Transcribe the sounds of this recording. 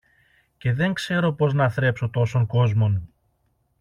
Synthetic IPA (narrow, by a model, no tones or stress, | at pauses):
ce̞ðe̞ŋkse̞ɾo̞po̞znɐθɾe̞psot̪o̞so̞ŋko̞zmo̞nu